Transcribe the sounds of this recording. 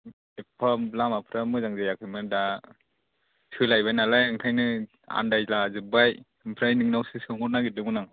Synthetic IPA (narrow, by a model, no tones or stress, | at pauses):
epʰalamapʰɾamɯzaŋzajakʰɯjmɯda | sʰɯlajbajnalajɯŋkʰajnɯ | a̰ndajlazɯbaj | ɯmpʰɾajnɯŋnawsɯsɯŋɔɾnaɡidɯmɯnaŋ